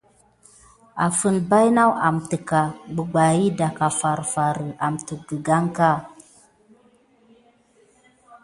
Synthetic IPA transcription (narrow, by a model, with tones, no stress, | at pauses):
a̰˨fə˦nba˦jna˦wa˨mtə˨ka˨ɡ͡bə˨ɡ͡ba˨ji˦da˨ka˨fa˨ɾfa˨ɾə˨a˨mtu˨ɡə˨ɡa˦ŋka˦˨